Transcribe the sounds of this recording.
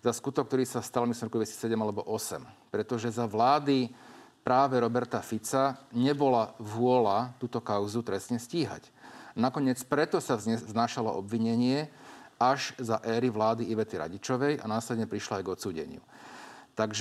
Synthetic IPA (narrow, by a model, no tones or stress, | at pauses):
zaskut̪ɔk̚t̪ɔɾiːsast̪almislimɾɔkud̪ʋɛcsi̥sɛɟɛmalɛbɔʔɔsɛmpɾɛt̪ɔʒɛzaʋlaːd̪ipɾaːʋɛɾɔbɛɾt̪afit͡saɲɛbɔlaʋʊɔlat̪uːt̪ɔkaʊzut̪ɾɛsɲɛsciːɦa̰cnakɔɲɪɛt͡spɾɛt̪ɔsaznaːʃalɔ̰ʔɔbʋiɲɛɲɪɛaʒzaʔɛːɾiʋlaːd̪iiʋɛt̪iɾa̰ɟit͡ʃɔʋɛja̰naːslɛd̪ɲɛpɾiʃlaajɡɔt̪t͡suːɟɛ̰ɲɪṵt̪aɡʒ